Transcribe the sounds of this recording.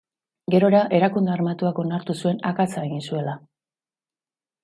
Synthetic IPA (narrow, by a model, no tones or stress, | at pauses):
ɡe̞ɾo̞ɾaʔe̞ɾakund̪earmat̪uako̞naɾt̪usue̞nakat͡sae̞ɣinsue̞la